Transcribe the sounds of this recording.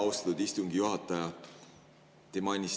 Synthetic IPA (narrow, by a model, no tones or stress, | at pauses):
ɑust̪ɑ̥t̪ud̪ist̪uŋɡ̥ijuɦɑt̪ːˑɑjɑ | t̪emɑjnʲis